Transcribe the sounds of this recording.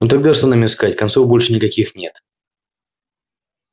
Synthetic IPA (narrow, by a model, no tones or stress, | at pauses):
nut̪ɐɡ̚d̪aʂt̪onamʲɪskatʲkɐnt̪sovbolʲʂɨnʲɪkɐkʲixnʲe̞t̪